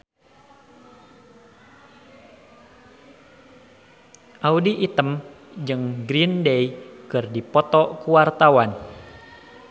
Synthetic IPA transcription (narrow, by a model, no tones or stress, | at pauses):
ʔaudiʔːt̪əmd͡ʒɨŋɡɾindejkɨrdipɔt̪ɔkuwart̪awan